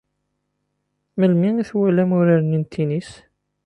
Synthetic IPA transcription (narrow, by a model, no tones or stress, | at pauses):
məlmiiθwælæmʊɾaɾənint̪ʰːinis